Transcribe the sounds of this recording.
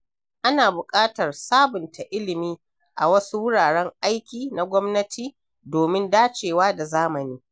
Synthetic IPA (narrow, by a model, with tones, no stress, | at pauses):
ʔa˦naː˨bʊ˨kʼaː˦tɐ˨rsaː˦bʊ˨ntʰa˨ʔɪ˦lɪ˨miː˦ | ʔa˨wɐ˦su˦wʊ˦ɽaː˨ɽɛ˦ŋʔa˦jkʲiː˨na˨ɡʷɔ˦mnɐ˦tʰiː˨ | doː˨mɪ˦ndaː˦t͡ʃeː˨waː˦da˨zaː˦mɐ˨niː˦